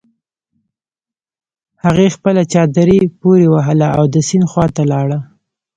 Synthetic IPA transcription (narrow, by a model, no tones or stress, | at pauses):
haɣexpəlat͡ʃɑd̪əɾipoɾewaɦəlaawd̪əsinxwɑt̪alɑɽa